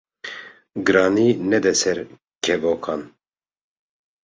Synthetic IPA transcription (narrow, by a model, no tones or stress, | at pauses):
ɡɨɾɑːniːnɛd̪ɛsɛɾ | kʰɛvoːkʰɑːn